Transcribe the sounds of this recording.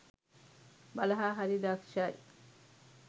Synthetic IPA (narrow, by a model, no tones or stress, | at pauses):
bɐlɐɦaːɦɐɾid̪akʃai